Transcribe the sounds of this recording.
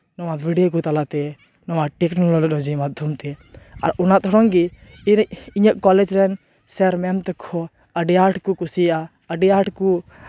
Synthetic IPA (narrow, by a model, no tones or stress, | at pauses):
nɔwabʱiɖijok̬ut̪alat̪ɛ | nɔwaʈɛknɔlɔlɗɔd͡ʒimad̪ʱjɔmt̪ɛa̰ɾɔnat̪ɔɾɔŋɡi | iɲəʔkɔlɛd͡ʒɾɛn | sɛɾmɛmt̪ɛkʰɔ | əɖiaɾʈʰkukusia | əɖiaʈku